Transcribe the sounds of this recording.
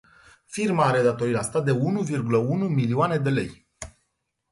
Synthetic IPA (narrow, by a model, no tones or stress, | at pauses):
firmaaɾe̞d̪at̪o̞ɾiast̪ad̪e̞unuvirɡuləunumilioane̞d̪e̞le̞̰j